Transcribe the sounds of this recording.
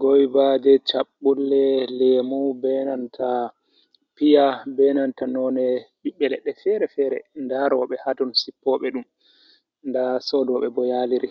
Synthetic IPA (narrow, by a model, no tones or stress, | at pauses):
ɡojbadɛt͡ʃaɓːulːɛlɛmubɛnantʰa | pijabɛnantanɔnɛɓiɓɛlɛɗːɛfɛɾɛfɛːɾɛ̰ndaɾɔɓɛhatɔnsipːɔɓɛɗum | ndasɔdɔɓɛbɔjaliɾi